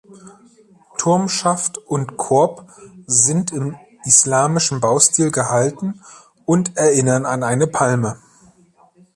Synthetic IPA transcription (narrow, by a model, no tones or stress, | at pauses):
tʰʊɐmʃaftʊntkʰʊɐpzɪntɪm | islaːmɪʃn̩baʊstiːlɡəɦaltn̩ | ʊntɛɐʔɪnɐnanaɪnəpʰalmə